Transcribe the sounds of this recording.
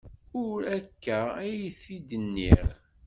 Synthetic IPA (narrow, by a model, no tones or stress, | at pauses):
ʊɾækːæijθid̪ənːiɾ